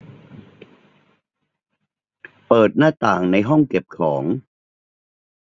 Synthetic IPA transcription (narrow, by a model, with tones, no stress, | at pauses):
pɤː˨˩t̪̚naː˥˩t̪aː˨˩ŋna˧jɦɔ˥˩ŋke˨˩p̚kʰɔː˩˦ŋ